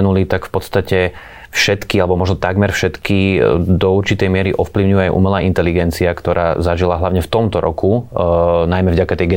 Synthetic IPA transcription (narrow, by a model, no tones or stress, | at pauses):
ɛnulit̪akfpɔt̪st̪acɛ | fʃɛt̪kialɛbɔmɔʒnɔt̪aɡmɛɾfʃɛt̪kid̪ɔuɾt͡ʃit̪ɛjmɪɛɾiʔɔfpliʊɲujɛajʔṵːmɛlaːʔint̪ɛliɡɛnt͡siakt̪ɔɾaːzaʒilaɦlaʋɲɛft̪ɔmt̪ɔɾɔ̰kʰu | najmɛvɟakat̪ɛjɡɛ